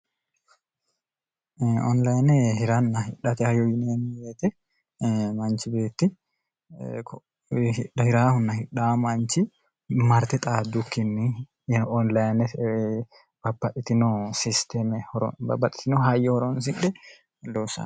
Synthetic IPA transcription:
ɔnlɐjnɛhɪɾɐnːɐhɪᶑːɐt̪ɛhɐjɔjɪneːmɪjeːt̪ɛ | mɐnt͡ʃɪbe̞ːt̪ːɪ | k | hɪᶑɐhɪɾaːhʊnːɐhɪᶑamɐnt͡ʃːɪ | mɐɾt̪ɛt̪ʼaːd̪ʊkːɪnːɪ | ɔnlɐjnɛ | b̥ɐbːɐʔɪt̪ɪnɔsɪst̪ɛmɛɔbɐbɐt̪ʼːɪ̥t̪ɪnɔɦɐjɛhɔɾɔns̬ɪᶑːɛ | loːsɐ̰

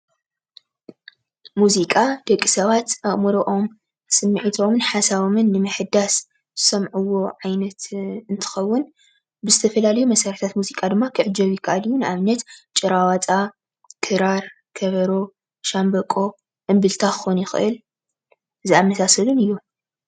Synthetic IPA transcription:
muzikʼad̪̥ɐkʼːisɐβat̪ʔɐʔʼmɨɾoʔo̞m | sɨmːiʕit̪ʰo̞mɨnħasaβomɨnːɨmɨħɨd̪as | zɨsɐmʕuwːo̞ʕajnɐt̪ɨnt̪ʰɨ̥xɐwːʊn | bɨzɨt̪ʰɐfɐlalɐjumɐsɐɾt̪ʰat̪muzikʼad̪ɨmːakʰɨʕɨd͡ʒɐβjɪkʰɐʔalɨjːunɨʔaβnɐt̪t͡ʃʼɨɾawat͡sʼa | kʰɨɾaɾ | kʰɐβɐɾo | ʃambɐkʼo̞ | ʔɨmbɨlt̪ʰaxɨxonjɪxɨ̰ʔɨl | ɨziamːɐsasɐlunɨjːu

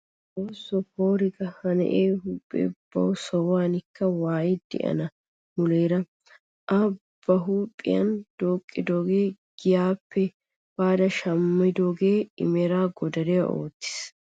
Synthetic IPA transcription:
ʔoːsːɔhoːɾɪɡɐhɐnɛ̰ʔeːɦuːpʼːḛːb̥ɐ̰wsɔwaːnɪkːɐwaːjɪd̪ɛ̰ʔɐ̰nɐ | mʊleːɾɐ | ʔɐb̥ːɐɦuːpʼːɪ̰jɐ̰nd̪̥oːkʼːɪd̪o̞ːɡeːɡ̥ɪjaːpʰːɛ | b̥aːd̪ɐʃɐmːɪd̪oːɡeːɪ̰mɛɾaːɡɔd̪ɐɾɪjɐʔo̰ːt̪ːɪ̥s

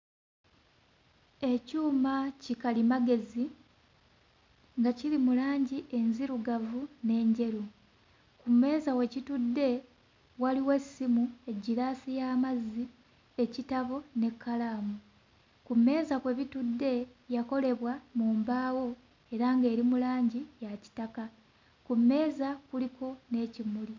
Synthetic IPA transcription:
e̞cuːmacikalimaɡe̞zi | ŋɡacilimulaːɲɟiʔe̞nziɾuɡavune̞ɲɟe̞ɾu | kumːe̞ːzawe̞citudːe̞ | waliwe̞simue̞ɟiɾaːsijaːmazːi | e̞citaβo̞ne̞kʰːalaːmu | kumːe̞ːzakwe̞βitudːe̞jako̞le̞βwamuːmbaːwo̞ | e̞ɾaŋɡe̞ːɾimulaːɲɟijaci̥taka | kumːe̞ːzakuliko̞ne̞ːcimuli

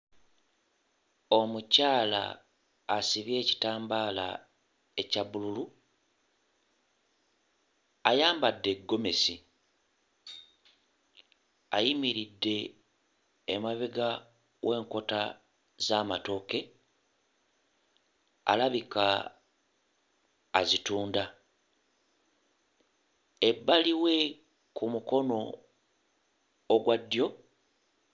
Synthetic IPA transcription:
o̞mucaːla̰ː | siβje̞ːci̥taːmbaːla̰ | e̞caβululu | ajaːmbadːe̞ɡːo̞me̞si | ajimiɾidːe̞ | maβeɡa | wʔe̞ːŋko̞ta | zamato̞ke̞ | a̰laβika | zituːnda | ebːaliwe̞ | kumuko̞no̞ | ɡwadːjo̞

